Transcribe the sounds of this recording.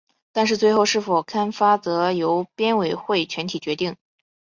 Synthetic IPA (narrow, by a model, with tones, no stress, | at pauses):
t̪a˥˧nʂ̬ɻ̩˥˧t͡swe˥˧ɪxo˥˧ʊʂɻ̩˥˩fo˨˩ʊkʰa˥nfa˥t͡sɤ˧˥jo˧˥ʊpjɛ˥nwe˨˩ɪxwe˥˩ɪt͡ɕʰɥɛ˧˥nt̪ʰi˨˩t͡ɕɥɛ˧˥t̪i˥˩ŋ